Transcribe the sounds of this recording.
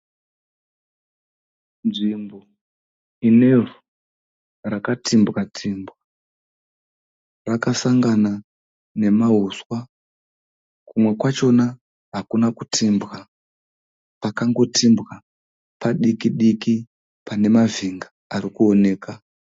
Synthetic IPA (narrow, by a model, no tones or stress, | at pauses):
nʐimbo | ine̞vu | rakatimbwatʰiːmbwa | rakasaŋɡana | ne̞maɦuswa | kumwe̞kwat͡ʃo̞na | ɦakunaku̥tʰimbɣa | pakaŋɡo̞tʰimbɣa | paɗikiɗiki | pane̞maviŋɡa | aɾikuone̞ːka